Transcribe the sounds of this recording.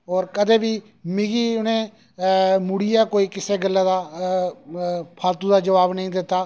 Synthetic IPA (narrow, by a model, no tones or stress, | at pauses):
ɔːɾkəd̪ẽːbiː | mɪɡiːʊnẽː | mʊɽijaːkoːiːkɪseːɡəlːãːd̪aː | pʰaːlt̪ũːd̪aːd͡ʒəʋaːbnəĩːd̪ɪt̪ːaː